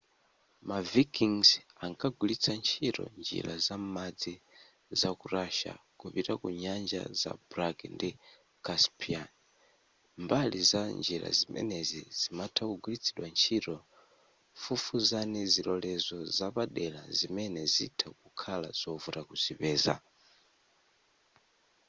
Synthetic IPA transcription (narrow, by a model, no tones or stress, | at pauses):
mavikiŋzaŋkʰaɡulit͡sʰant͡ʃʰiɾɔ̰nd͡ʒḭɾazammad͡zi | zakuɾaʃa̰kupiɾakuɲand͡ʒa̰za̰buɾakndi | kaspʰian | mbalizand͡ʒiɾa̰zimɛ̰nɛziz̥imatʰakuɡulit͡sʰiɗwant͡ʃʰiɾɔ | fufuzanizilɔlɛzɔzapaɗɛlazimɛnɛzḭtʰakukʰala̰zɔvuɾakuzipɛːza̰